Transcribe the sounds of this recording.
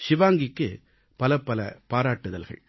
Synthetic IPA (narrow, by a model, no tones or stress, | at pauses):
ʃɪʋaːŋɡɪkːɯ | pɐlɐpːɐlɐ̰paːɾaːʈːɯðɐlɣɐ̰ɭ